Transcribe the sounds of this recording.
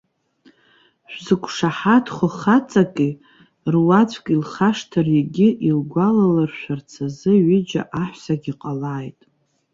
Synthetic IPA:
ʃᶣʷzɨkʷʼʰʂaħatʰχʷʊχat͡sʼakʼi | rwat͡sʷʼkʼilχaʂtʰɨrjaɡʲɪʔilɡʷalalarʃʷᶣart͡sʰazɨɥʏd͡ʒa̰ʔaħʷsaɡʲiqʼalaːjtʼ

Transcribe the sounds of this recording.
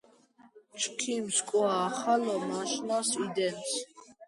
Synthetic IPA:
t͡ʃʰʼkʰimskʼwaːχalɔmaʃnasid̪ɛns

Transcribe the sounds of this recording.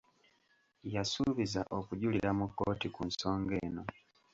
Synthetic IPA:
jasuβizaʔokuɟuliɾamukːoːtikunso̞ːŋɡe̞ːno̞

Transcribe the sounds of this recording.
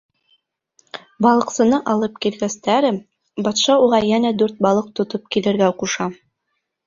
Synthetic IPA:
bɑlˠɤ̆qsɤ̆nɤʔɑlˠɤp̚kilɡæst̪æɾɘ | bɑt̪ʃɑuʁɑjænæd̪ʉɾt̪̚bɑlˠɤq̚t̪ŏt̪op̚kilɘ̆ɾɡæquʃɑ

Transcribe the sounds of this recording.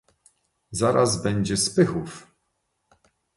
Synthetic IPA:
zaɾazbɛɲd͡ʑɛspɘxuf

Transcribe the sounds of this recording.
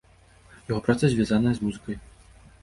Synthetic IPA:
jaɣɔpɾat̪sɐzʲvʲjazanɐjɛzmuzɨkɐj

